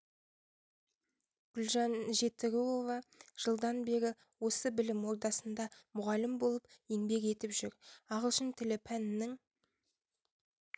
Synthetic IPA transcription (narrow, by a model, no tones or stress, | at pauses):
ɡ̥ʊlʒɑnʒe̞t̪ːɪɡʲuovɑʒ̥əlˠd̪ɑnbe̞ɾʲɪ | wo̞səbɪlɪmwo̞ɾd̪ɑsənd̪ɑmʊʁɑlɪmbo̞lˠəpeŋbe̞ke̞t̪ɪpʒʏɾɑʁəlˠʃənt̪ʰɪlɪpʰænɪnɪŋ